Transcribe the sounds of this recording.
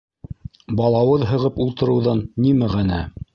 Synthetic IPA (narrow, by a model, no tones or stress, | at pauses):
bɑlˠɑwɤðɦɤ̆ʁɤpulˠt̪ɤ̆ɾɤ̆wðɑnːimæʁænæ